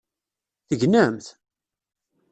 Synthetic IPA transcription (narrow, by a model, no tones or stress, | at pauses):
θəʝnæmθ